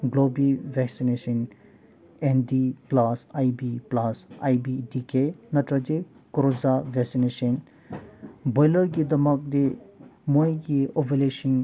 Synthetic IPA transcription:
ɡlobivɛksineʃən | ẽnd̪iplasajbiplasa̰jbidikenɐtɾad͡ʒekoɾozavɛksineʃən | bɔjləɾɡid̪ɐmak̚d̪emojɡioveleʃĩn

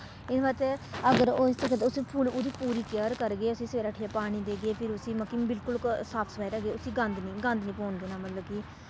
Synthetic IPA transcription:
ɪnʋaːt̪eəɡəɾoːɪst̪əkt̪ːʊsiːpʰuːlud̪iːpuːɾiːkjəːɾkəɾɡeːʊsiːsʋeːɾaːʈʰijaːpaːɽ̃iːd̪eːɡeːpʰɪɾʊsiːməkiːbɪlkʊlsaːpʰspaːɪɾəɡeːʊsiːɡə̃nd̪nĩːɡə̃nd̪nĩːpoːɳɡ̪eːnaːmət̪ləbɡiː

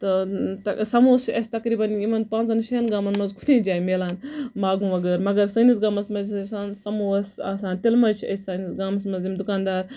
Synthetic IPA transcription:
t̪ɨt̪ɐsɐmuːsʰiʔɐsʲt̪ɐkɾiːbɐnjimɐnpãːnt͡sɐnʃɐjɐnɡaːmɐnmɐnzkʰu̥t̪ʰẽːd͡ʒaːjimeːlaːnmaːɡũmɐɡɐɾmɐɡɐɾsɐːnisɡaːmɐsmɐzsaːnsɐmuɐsa̰ːsaːnt̪ilmɐzt͡ʃʰiɐ̰sʲsɐːnisɡaːmɐsmɐnzimd̪ukaːnd̪aːɾ

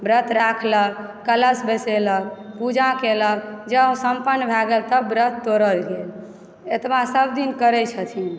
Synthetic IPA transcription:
bɾət̪ʰɾakʰləkələsbeseləkpud͡ʒʱakeləkd͡ʒəsəmpənːbʱɛɡəlt̪əbbɾət̪ʰt̪oɾəlɡel | et̪basəbd̪inkəɾɛt͡ʃʰət̪ʰi

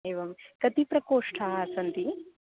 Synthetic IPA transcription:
ejʋɐmkɐt̪ipɾɐkoːʂʈʰaɦaːsɐnt̪i

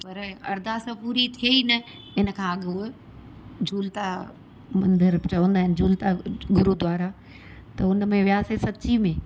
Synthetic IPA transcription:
pɐɾɐ̰ɾd̪asɐ̃puːɾit̪ʰieinɐ | ɪnə̆kʰãːɐɠu | d͡ʑʱuːlt̪a | mɐ̃nd̪əɾt͡ɕɐʋə̃ːnd̪aːɦɪnɪd͡ʑʱuːlt̪aɡʊɾud̪waːɾa | t̪ɐʊnmẽʋjaːsesɐtːt͡ɕimẽ

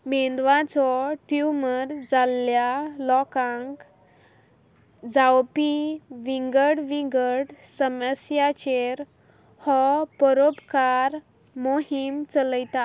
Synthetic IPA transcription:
mend̪ʋãt͡sɔʈjuməɾd͡zaljalɔkãŋk | d͡zawpiʋiŋɡəɽʋiŋɡəɽsəməsjat͡ɕeɾ | hɔpəɾopkaɾ | moɦimt͡sələjt̪a

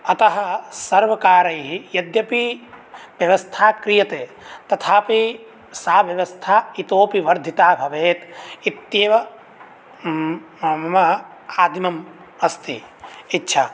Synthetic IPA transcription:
ɐt̪ɐɦɐsɐɾʋɐkaːɾɐjɦijɐd̪jɐpi | ʋjɐʋɐst̪ʰaːkɾijɐt̪eː | t̪ɐt̪ʰaːpi | saːʋjɐʋɐst̪ʰaːit̪oːpiʋɐɾd̪ʱit̪aːbʱɐʋeːt̪it̪jeːʋɐ | mɐ | aːd̪ʱimɐm | ɐst̪ḭ | itːʃʰa̰

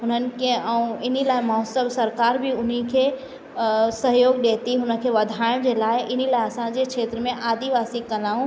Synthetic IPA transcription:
ɦʊnənɪ̆kʰeəũɪnilaːjmaʊsəbsəɾkaːɾbʱiʊnikʰe | səɦjoːɡɗeːt̪iɦʊnəkʰeʋɐd̪ʱaːɪ̃d͡ʒelaːeɪnilaːjɐsãd͡ʒekʃʰeːt̪ɾəmẽʔaːd̪iʋaːsikəlaːũ

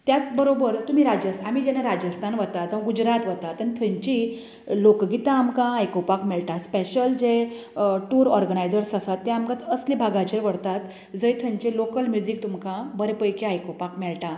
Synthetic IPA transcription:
t̪jat͡sbəɾobəɾt̪um̤iɾad͡ʑəsamid͡ʑɛnaɾad͡ʑəst̪ʰanʋət̪ad͡zəʋãɡud͡ʑɾat̪ʋət̪at̪ːənit̪ʰə̃ɲt͡ɕi | lokɡit̪ãːmkãajkopakmɛɭʈaspeɕəld͡ze | ʈuɾɔɾɡənajd͡zəɽsəsat̪ːɛ̃amkãt̪əslibʱaɡat͡ɕəɾʋəɽt̪at̪ | d͡zəjt̪ʰə̃ɲt͡ɕelokəlmjud͡zik̚t̪umkãbəɾepəjkeajkopakmɛɭʈã

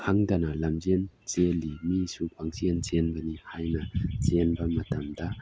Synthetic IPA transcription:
kʰaŋdɐnɐlɐmzen | t͡ʃelːimisupʰaŋsient͡ʃenbɐnihajnɐt͡ʃenbɐmɐtɐmdɐ

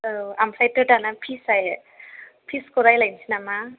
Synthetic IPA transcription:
ɯamsajtɯtanapʰisaj | pʰiskɔɾajlajnsʰinama

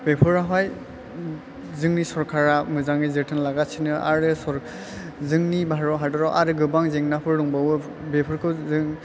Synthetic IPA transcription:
bepʰɯɾaɦaj | zɯŋnisɔɾkʰaɾamɯzaŋɯzɯtʰɯnlaɡasʰinɯʔaɾɯsɔɾ | zɯŋnibʱaɾɔɦadɔɾɔwʔaɾɯɡɯbaŋzeŋnapʰɯɾɾɔŋbawɯ | bepʰɯɾkʰɯzɯŋ

